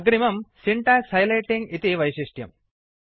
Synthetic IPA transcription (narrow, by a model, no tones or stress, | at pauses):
ɐɡɾimɐmsiɳʈaːshɐjlɐjʈːiŋɡit̪iʋɐjɕiʂʈjɐ̰m